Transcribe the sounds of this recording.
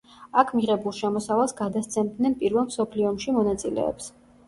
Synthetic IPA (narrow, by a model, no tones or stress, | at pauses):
akʰmiʁɛbulˠʃɛmɔsavalˠsɡad̪ast̪sʰɛmd̪nɛnpʼiɾvɛlˠmsɔpʰliɔmʃimɔnat̪sʼilɛ̰ɛ̰ps